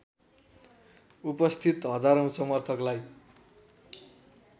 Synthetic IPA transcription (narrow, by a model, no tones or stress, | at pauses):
upʌst̪ʰit̪ɦʌd͡zaɾʌw̃sʌmʌrt̪ʰʌklaj